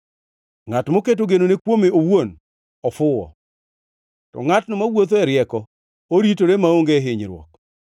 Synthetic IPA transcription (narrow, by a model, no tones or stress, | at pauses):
ŋatmoket̬oɡenonekwomeowon | ɔfʊwɔ̰ | tɔ̰ŋatnɔmawot̪̬oɛɾjɛkɔ | oɾitoɾemaoŋɡeɦɪɲɾwɔ̰k